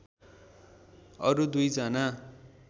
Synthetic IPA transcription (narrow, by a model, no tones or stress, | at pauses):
ʌɾud̪ujd͡zana